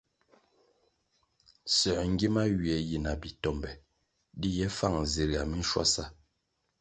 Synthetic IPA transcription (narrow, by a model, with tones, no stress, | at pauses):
sɛ˨ŋ̩˦ɡi˦ma˦ɥi˨ɛ˨ji˨na˨bi˨tɔ˦˨mbɛ˨ | di˦jɛ˦fa˦˨ŋ˨zi˨ɾɡa˨mi˦n̩˦ʃwa̰˦sa˦